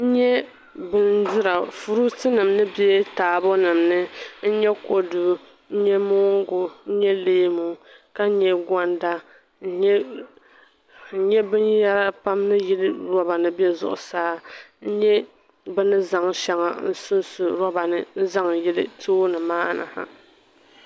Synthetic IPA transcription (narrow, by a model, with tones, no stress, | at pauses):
n̩˦ɲɛ˦ | bɨ˦ndɨ˦ɾa˨fu˨ɾu˦tɨ˦nɨ˨mnɨ˦bjɛ˦taː˨bɔ˦nɨ˨mnɨ˦n̩˦ɲɛ˦ko˦du˨ | n̩˦ɲɛ˦mo˦ɡʊ˨n̩˦ɲɛ˦leː˦mu˨ka˦ɲɛ˦ɡa˦nda˦ | ɲɛ˦ | ɲɛ˦bɨ˦nja˦ɾa˦pa˦mnɨ˦jɪ˦lɨ˦ɾɔ˦ba˨nɨ˦bɛ˦zʊ̰˦ʔʊ˨saː˦n̩˦ɲɛ˦ | bɨ˦nɨ˦za˨ŋʃɛ˦ŋa̰˨n̩˦sʊ˦nsʊ˨ɾɔ˦ba˨nɨ˦n̩˦za˦ŋjɪ˦lɨ˦tʰoː˦nɨ˨maː˦˨na̰˨ha̰˨